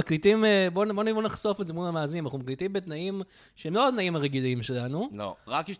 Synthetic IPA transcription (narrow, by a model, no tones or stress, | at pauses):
aklitimebonbonibonaχso̞fetzemulamaːzinimanaχnumaklit̪imbe̞t̪naim | ʃeemloat̪naimaʁeɡiliimʃe̞lanulo̰ʁakiʃ